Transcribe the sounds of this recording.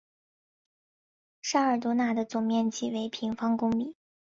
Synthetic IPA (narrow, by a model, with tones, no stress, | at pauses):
ʂa˥ə˞˨˩t̪wɔ˧˥na˥˩d̪ə˩t͡sʊ˨˩ŋmjɛ˥˧nt͡ɕʰḭ˨˥˩we˧˥ɪpʰi˧˥ŋfɑ˥ŋkʊ˥ŋmi˨˩˦